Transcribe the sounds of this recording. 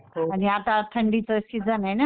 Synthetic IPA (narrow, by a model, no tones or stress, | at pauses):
aniat̪ãʈ̪ʰəɳɖit͡səsid͡zanajna